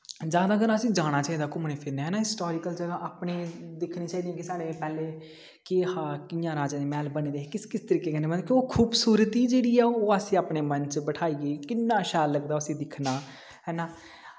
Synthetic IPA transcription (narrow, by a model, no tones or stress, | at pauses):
d͡ʒaːd̪aːɡənaəsĩːd͡ʒaːɽ̃aːt͡ʃaːiːd̪aːkʊmɳeːpʰɪɾneːɦɛːnaːɦɪsʈɔːɾiːkəld͡ʒəɡãːʔaːpneːd̪ɪkʰniːt͡ʃaːiːd̪iãːkɪsaːɽeːpɛːleː | keːhãːkɪjãːɾaːd͡ʒaːd̪eːmɛːlbəneːd̪eːkɪskɪst̪əɾiːkːeːkɛnd̪eənkoːkʰuːbsuːɾət̪iːd͡ʒeːɽiːɛːoːəsĩːaːpneːmənt͡ʃbəʈʰaːiːɡeːkɪnːaːʃaːlːəɡd̪aːəsĩːd̪ɪkʰnaː | ɦɛːnaː